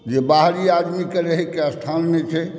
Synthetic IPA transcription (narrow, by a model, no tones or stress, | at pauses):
d͡ʒebaɦɾiad̪mikeɾəɦekeəst̪ʰanmet͡ʃʰɛ